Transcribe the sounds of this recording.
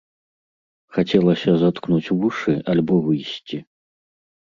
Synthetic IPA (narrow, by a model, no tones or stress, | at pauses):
xat͡sʲɛlˠɐsʲɐzat̪knut͡sʲvuʂɨalʲbɔvɨjsʲt͡sʲi